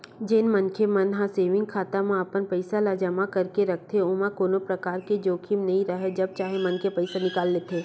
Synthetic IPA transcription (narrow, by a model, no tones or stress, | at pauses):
d͡ʒenmɐnkʰemɐnɦãseːʋɪ̃ŋɡ̚kʰaːt̪amãɐpənpəɪsalaːd͡ʒamakɐɾkeɾɐk̚ʰt̪ʰeomãkoːnõpɾɐkaːɾked͡ʒoːkʰiːmnɐɦĩɾɐɦed͡ʒɐb̚t͡ʃaːɦemɐnkepɛɪsanɪkaːlːeːt̪eː